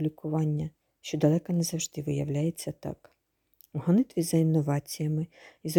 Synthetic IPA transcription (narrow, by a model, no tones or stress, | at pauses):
lʲikʊʋɑnʲːɐ | ʃt͡ʃɔd̪ɐlˠɛkɐnɛzɐwʒd̪ɪʋɪjɐwlʲajet͡sʲːɐt̪ɑ̰k | uɦɔnɪt̪ʋʲizɐinːɔʋɑt͡sʲijɐmɪiz